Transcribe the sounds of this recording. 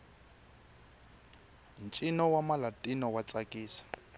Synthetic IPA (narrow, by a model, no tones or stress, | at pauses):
nt͡ʃʼinɔwamalatʼinɔwat͡sʼakʼiːsḁ